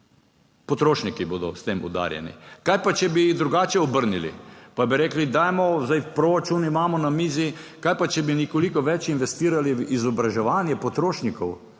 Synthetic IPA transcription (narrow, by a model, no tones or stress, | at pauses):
pɔt̪ɾoːʃnikiboːd̪ɔ̰st̪emṵd̪a̰ːɾjɛ̰nḭkajpat͡ʃɛbid̪ɾuɡaːt͡ʃɛɔbəɾnilḭpabiɾeːklid̪aːjmɔzajpɾoɾat͡ʃunimaːmɔnamiːzikajpat͡ʃɛbinikolikɔʋɛt͡ʃinʋɛst̪iːɾaliːzɔbɾaʒɛʋaːnjɛpɔt̪ɾoːʃnikɔw